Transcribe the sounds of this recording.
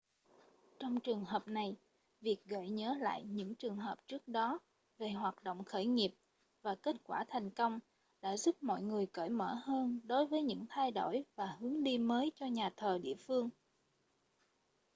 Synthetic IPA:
t͡ɕɔ˧wŋ͡mt͡ɕɨ˨˩əŋɦəː˨˩p̚na˨˩j | vi˨˩ək̚ɣə̰˧˨jɲəː˨˦la̰ː˧˨jɲɨ̰˧˥ŋt͡ɕɨ˨˩əŋɦəː˨˩p̚t͡ɕɨ˦˥ək̚ɗɔ˨˦ | ve˨˩ɦwaː˨˩t̚ɗo̰˧˨wŋ͡mxəː˧˩jŋi˨˩əp̚ | vaː˨˩ke˦˥t̚kwaː˧˩t̪ʰa˨˩jŋ̟kə˧wŋ͡m | ɗa̰ː˧˥zu˦˥p̚mɔ̰˧˨jŋɨ˨˩əjkə̰ː˧˩jmə̰ː˧˩həː˧nɗo˨˦jvəː˨˦jɲɨ̰˧˥ŋt̪ʰa˧jɗo̰˧˩jvaː˨˩hɨ˨˦əŋɗi˧məː˨˦jt͡ɕɔ˧ɲaː˨˩t̪ʰəː˨˩ɗḭ˧˨əfɨ˧əŋ

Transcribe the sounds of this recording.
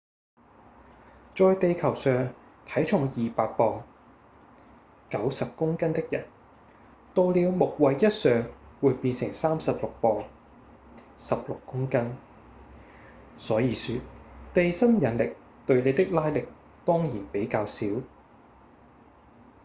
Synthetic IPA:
t͡ʃɔː˧jt̪e˨˧jkʰɐ˨˩wsœː˨˧ŋt̪ʰɐ˨˥jt͡ʃʰʊ˨˩ŋjiː˨paː˧t̚pɔː˧ŋ | kɐ˨˥wsɐ˨p̚kʊ˥ŋkɐ˥nt̪ɪ˥k̚jɐ̰˨˩n | t̪o˧wliː˨˧wmʊ˨k̚wɐ˨jːɐ˥t̚sœː˨ŋwuː˨˧jpiː˧nsɪ˨˩ŋsaː˥msɐ˨p̚lʊ˨k̚pɔː˨˧ŋ | sɐ˨p̚lʊ˨kːʊ˥ŋkɐ˥n | sɔː˨˥jiː˨˧syː˧t̚t̪e˨jsɐ˥njɐ˨˥nlɪ˨k̚ | t̪ɵ˧ɥne˨˧t̪ɪ˥k̚laː˥jlɪ˨k̚ | t̪ɔː˥ŋjiː˨˩npe˨˥jkaː˧wsiː˨˥w

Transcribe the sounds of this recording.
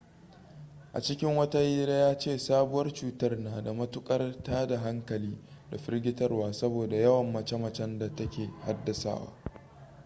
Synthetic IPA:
ʔa˨t͡ʃɪ˦kʲɪ˦ŋwɐ˦ta˦jiː˦ɾeː˦jaː˦t͡ʃeː˦˨saː˦bʊ˦wɐ˦rt͡ʃuː˦tɐ˦rnaː˨da˨mɐ˦tʊ˦kʼɐ˦rtaː˦da˨ɦa˦ŋkɐ˨liː˦ | da˨ɸɪ˦rɡʲɪ˦tɐ˦rwaː˦sɐ˦boː˨da˨jɐ˦wɐ˨mːɐ˨t͡ʃɐ˦mɐ˨t͡ʃɛ˦nda˨tɐ˦kʲeː˨ha˦dːɐ˨sa̰ː˦˨wa̰ː˦

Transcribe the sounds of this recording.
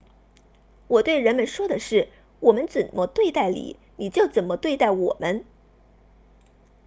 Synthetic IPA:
wɔ˨˩t̪we˥˩ɪɻə˧˥nmə˧nʂwɔ˥d̪ə˨ʂɻ̩˥˩ | wɔ˨˩mə˦nt͡swə˨˩nmə˦t̪we˥˧ɪt̪a˥˩ɪlḭ˨˦ | ni˨˩t͡ɕjo˥˩ʊt͡sə˨˩nmə˦t̪we˥˧ɪt̪a˥˩ɪwɔ˨˩mə˦n

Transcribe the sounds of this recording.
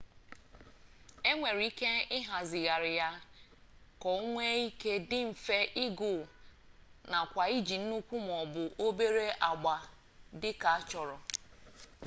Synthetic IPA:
e˦ŋʷe˨ɾi˦ke˦ɪ˦ɦa˨zɪ˨ɣa˨ɾɪ˨ja˦ | kɔ˨o˦ŋʷe˦i˦ke˦dɪ˦m̩˨fe˦ʔɪ˦ɡʊ˨ | na˨kʷa˨i˦d͡ʒi˨n̩˦nu˦kʷu˦m˨ɔ˨bʊ˨ʔo˦be˦ɾe˦ʔa˨ɡ͡ba˨ | dɪ˦ka˨a˦t͡ʃɔ˨ɾɔ˨

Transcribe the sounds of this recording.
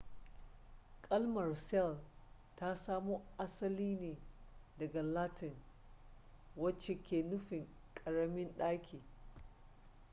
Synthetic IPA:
kʼɐ˦lmɐ˨rsɛ˦˨l | ta˦saː˦moː˦ʔa˦sɐ˦liː˦neː˨dɐ˨ɡa˨laː˦tɪ˨n | wɐ˦t͡ʃːe˨kʲʰeː˨nʊ˦ɸɪ˨ŋ | kʼɐ˨ɽɐ˦mɪ˦nɗaː˦kʲʰiː˨

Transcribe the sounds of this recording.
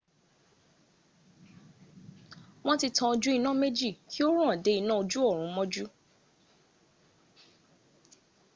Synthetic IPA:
w̃ɔ̃˦ti˧tʰã˧o˧d͡ʒu˦i˧nã˦me˦d͡ʒi˦˨kʰi˦o˦ɾũ˦ã˨de˨˦i˧nã˦o˧d͡ʒu˦ɔ˦˨ɾ̃ũ˨˦mɔ̃˦d͡ʒu˦

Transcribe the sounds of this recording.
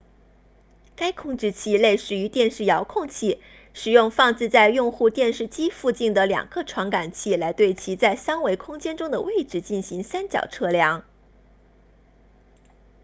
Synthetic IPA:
ka˥ɪkʰʊ˥˧ŋʈ͡ʂɻ̩˥˧t͡ɕʰi˥˩le˥˩ɪʂɻ̩˨˩y˧˥t̪jɛ˥˧nʂɻ̩˥˩jɑ˧˥ʊkʰʊ˥˧ŋt͡ɕʰi˥˩ | ʂɻ̩˨˩jʊ˥˧ŋfɑ˥˧ŋt͡sɹ̩˥˧t͡sa˥˧ɪjʊ˥˧ŋxu˥˧t̪jɛ˥˧nʂɻ̩˥˩t͡ɕi˥fu˥˧t͡ɕi˥˩nd̪ə˩ljɑ̰˨˩ŋɡə˦ʈ͡ʂʰwɑ˧˥ŋka˨˩nt͡ɕʰi˥˩la˧˥ɪt̪we˥˩ɪt͡ɕʰi˧˥t͡sa˥˩ɪsa˥ŋwe˧˥ɪkʰʊ˥ŋt͡ɕjɛ˥nʈ͡ʂʊ˥ŋd̪ə˨we˥˩ɪʈ͡ʂɻ̩˧˥t͡ɕi˥˩nɕi˧˥ŋsa˥nt͡ɕjɑ̰˨˩ʊʈ͡ʂʰɤ˥˩ljɑ˧˥ŋ

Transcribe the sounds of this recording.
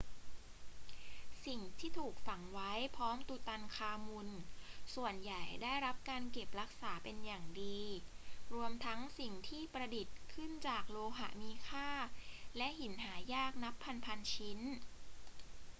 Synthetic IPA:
si˨˩ŋt̪ʰiː˥˩t̪ʰuː˨˩k̚fa˨˩˦ŋwa˦˥jpʰɔː˦˥mt̪u˨˧˩t̪a˧nkʰaː˧mu˧nsu˨˩ənja˨˩jdaː˥˩jɾa˦˥p̚kaː˧nke˨˩p̚ɾa˦˥k̚saː˩˦pe˧njaː˨˩ŋdiː˧ɾu˧əmt̪ʰa˦˥ŋsi˨˩ŋt̪ʰiː˥˩pɾa˧di˨˩t̪̚kʰɯ˥˩nt͡ɕaː˨˩k̚loː˧ɦa̰˨˩miː˦˥kʰaː˥˩lɛ˦˥ʔhi˨˩˦nɦaː˩˦jaː˥˩k̚na˦˥pʰːa˧npʰa˧nt͡ɕʰi˦˥n

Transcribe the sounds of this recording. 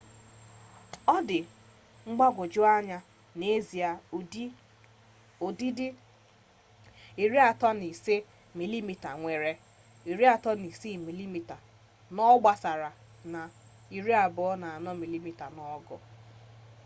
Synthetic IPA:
ɔ˦dɪ˨ | ŋ͡m̩˦ɡ͡ba˦ɡʷʊ˨d͡ʒʊ˦a˦ɲa˦ | ne˦zi˨a˨˦ | o˨di˦dɪ˦ | i˨ɾi˦a˨tɔ˦ni˨se˦ | mi˨li˦mi˨ta˨ŋʷe˨ɾe˨ | i˨ɾi˦a˨tɔ˦ni˨si˦˨mi˨li˦mi˨ta˨ | nɔ˦ɡ͡ba˨sa˨ɾa˨ | na˨ | i˨ɾi˦a˨bʊ˨˦ɔ˦na˨a˨nɔ˦mi˨li˦mi˨ta˨nɔ˦ɡɔ̰˨

